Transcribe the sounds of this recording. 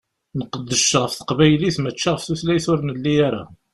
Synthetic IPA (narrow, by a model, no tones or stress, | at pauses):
nəqəd̪ːəʃʁəfθə̥qvæjliθmət͡ʃːaʁəfθuθlæjθʊɾnəlːiaɾa̰